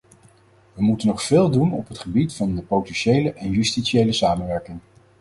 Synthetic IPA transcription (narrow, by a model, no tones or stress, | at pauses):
ʋəmutənːɔχfɪːlˠdunɔpɦətχəbitfɑndəpowtɛnʃejləʔɛnjystisejləsaːmənʋɛɹkɪŋ